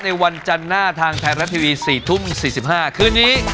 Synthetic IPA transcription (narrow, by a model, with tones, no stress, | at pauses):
na˧jwa˧nt͡ɕa˧nːaː˥˩t̪ʰaː˧ŋt̪ʰaː˧ɾa˦˥t̪ʰiː˧wiː˧siː˨˩t̪ʰu˥˩msiː˨˩si˨˩p̚haː˥˩kʰɯː˧nːiː˦˥